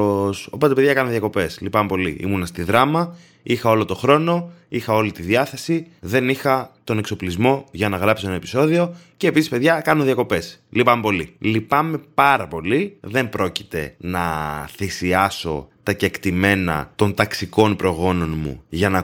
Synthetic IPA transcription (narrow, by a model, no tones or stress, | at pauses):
so̞pot̪e̞peðʝɐkɐnoðjɐko̞pe̞slipɐmepo̞lḭʔḭmunɐst̪iðɾɐmɐ | ixɐo̞lo̞t̪o̞xɾo̞no̞ixɐo̞lit̪iðiɐθe̞siðe̞nixɐt̪o̞ne̞kso̞plizmo̞ʝɐnɐɣɾɐpsoenɐepi̥so̞ðio̞ceːpisispe̞ðʝɐkɐnoðjɐko̞pe̞slipɐmepo̞lilipɐme̞pɐɾɐpo̞liðe̞mpɾo̞ci̥t̪e̞̰nɐ̰θesiɐso̞̰t̪ɐce̞kt̪ime̞nɐ̰t̪o̞nt̪ɐksiko̞npɾo̞ɣo̞no̞nmṵʝɐnɐ